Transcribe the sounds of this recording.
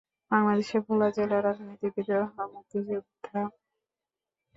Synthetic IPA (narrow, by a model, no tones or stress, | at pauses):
baŋlad̪eʃebʱulad͡ʑelaɾad͡ʑnit̪ibid̪oɔɦnamut̪id͡ʑebud̪ʰʱa